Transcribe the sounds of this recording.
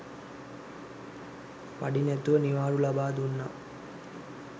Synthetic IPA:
pɐɽinet̪oːniʋaːɾulɐbaːd̪unːɐ

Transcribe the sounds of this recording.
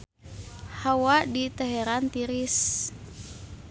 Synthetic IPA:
hawadit̪ɛɦɛɾant̪iɾis

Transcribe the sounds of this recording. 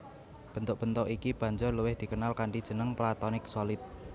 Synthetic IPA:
b̥ə̤nt̪ʊʔ̚b̥ə̤nt̪ɔʔikib̥ä̤ɲd͡ʒɔrluwɪhd̪̥i̤kənalkaɳʈid̥ʒ̥ə̤nəŋplat̪ɔnɪksolɪt̪̚

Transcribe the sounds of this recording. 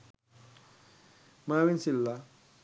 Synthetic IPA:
mawinsilːa

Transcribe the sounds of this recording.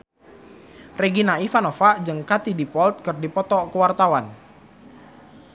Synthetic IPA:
reɡinaifanofad͡ʒəŋkat̪idipɔlt̪̚kɨrdipɔt̪ɔkəwart̪awan

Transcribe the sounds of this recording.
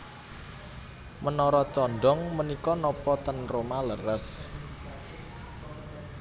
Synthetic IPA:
mənɔɾɔt͡ʃɔɳɖɔŋmənikɔnɔpɔt̪ənromalərəs

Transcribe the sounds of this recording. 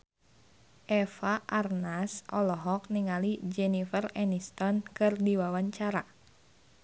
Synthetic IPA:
ʔɛfaʔarnasʔɔlɔɦɔk̚niŋalid͡ʒɛnifərɛnist̪ɔnkɨrdiwawaɲt͡ʃaɾa

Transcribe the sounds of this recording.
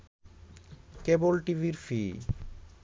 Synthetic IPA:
kebolʈiviɾfi

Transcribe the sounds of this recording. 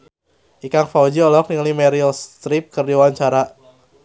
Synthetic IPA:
ʔikaŋfawd͡ʒiɔlɔk̚niŋlimɛɾiɔst̪ɾip̚kərdiwaɲt͡ʃaɾa

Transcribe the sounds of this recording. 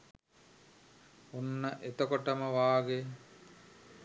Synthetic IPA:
unːəʔet̪okoʈəməʋaːɡe

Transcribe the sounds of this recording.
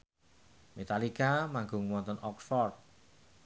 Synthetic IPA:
met̪alikamaŋɡʊŋwɔnt̪ɔnɔksfɔrd̪̚

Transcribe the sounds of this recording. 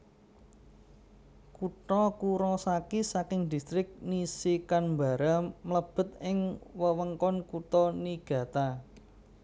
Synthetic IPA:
kuʈɔkuɾɔsakisakɪŋd̪̥i̤st̪ɾɪk̚nisikanmba̤ɾamələb̥ə̤t̪̚ɪŋwəwəŋkɔnkut̪ɔniɡ̥ä̤t̪a

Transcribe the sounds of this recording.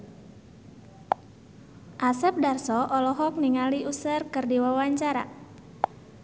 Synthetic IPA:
ʔasɛp̚darsɔʔɔlɔɦɔk̚niŋaliusərkərdiwawaɲt͡ʃaɾa̰

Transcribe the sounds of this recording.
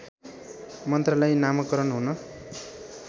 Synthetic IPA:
mʌnt̪rʌlajnamʌkːʌɾʌnɦunʌ

